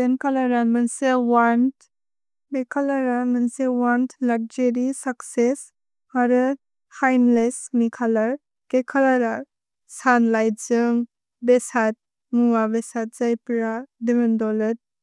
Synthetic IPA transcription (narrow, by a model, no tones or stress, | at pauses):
enkʰalaɾanmɐnsewant | bekʰalaɾanmənsewantlaɾ̚d͡ʒeɾisakses | haɾɯ | hajnlesmikʰalaɾ | kekʰalaɾa | sanlajd͡ʒɯŋ | besat̚ | muwabesat̚zajpɾadimendɔlɯt̚